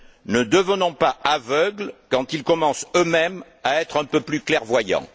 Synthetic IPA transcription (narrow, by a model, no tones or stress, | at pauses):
nəd̪əvənɔ̃paavœɡlkɑ̃t̪ilkɔmɑ̃sømɛm | aɛt̪χɛ̃pøplyklɛʁvwajɑ̰̃